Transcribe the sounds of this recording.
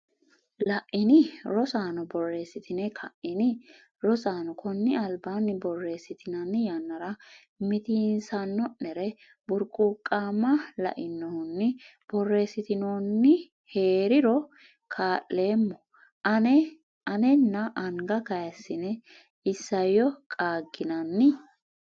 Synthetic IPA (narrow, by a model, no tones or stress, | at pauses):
lɐʔɪnɪɾɔsaːnɔbɔrːe̞ːsɪt̪ɪnɛkʰɐʔɪnɪ | ɾɔsaːnɔkɔnːɪɐlbaːnːɪbɔrːe̞ːsɪt̪ɪnɐnːɪjɐnːɐɾɐ | mɪt̪iːnsɐnːɔnːɛɾɛ | bʊɾkʼuːkʼːaːmːɐlɐ̰ʔɪnːɔhʊnːɪb̥ɔrːe̞ːsɪt̪ɪnoːnːɪ | he̞ːɾɪɾɔ | kʰaːʔːe̞ːmːɔ | ɐnɛnːɐʔɐŋɡɐkɐjɐsːɪnɛ | ɪsːɐjɔkʼaːɡːɪnɐnːɪ